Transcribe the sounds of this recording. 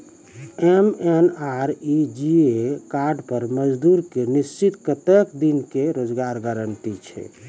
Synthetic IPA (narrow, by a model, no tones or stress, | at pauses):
emenaɾid͡ʒiekaɾɖpəɾməd͡ʒd̪uɾkenist͡ʃit̪kət̪ekd̪inkeɾod͡ʒɡaɾɡəɾəɳʈit͡ʃʰɛ̰